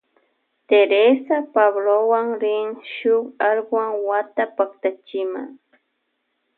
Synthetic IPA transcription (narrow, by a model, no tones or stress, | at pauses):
t̪eɾesapaβlowaŋɾɪŋʃʊkaɾɢwaŋwat̪apakt̪at͡ʃɪma̰ŋ